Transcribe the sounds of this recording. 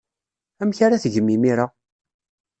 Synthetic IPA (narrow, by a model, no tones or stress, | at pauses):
æmçaɾaθʝəmːimiɾa